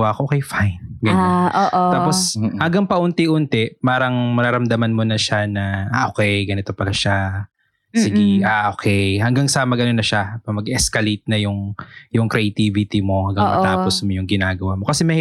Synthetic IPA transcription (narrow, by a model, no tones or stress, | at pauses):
wakoʔokɛjfajnɡɐnaoːʔt̪aːpo̞shɐŋɡɐŋpɐʔʊnt̪ɪʔʊnt̪ɛpaːɾɐŋmɐɾaɾɐmd̪ɐmɐnmo̞nɐʃanɐʔaʔokɛjɡɐnɪt̪o̞pɐlɐʃa | sɪɡiʔaʔokʰɛjhɐŋɡaŋsɐmɐɡɐnonɐʃapɐmɐɡʔɛskɐlit̪̚nɐjʊŋjʊŋkɾɛʔɐt̪ivɪt̪imo̞hɐŋɡaŋmɐ̰t̪aːposmojʊŋɡɪnaːɡɐwamo̞kɐsɛmɐhi